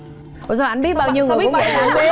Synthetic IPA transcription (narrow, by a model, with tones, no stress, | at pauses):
ɔ˨˩zɔː˧˩ʔa˨˧˦nɓi˦˥t̚ɓaː˧wɲi˧əŋo˨˩˨a˨˧˨a˨˧˦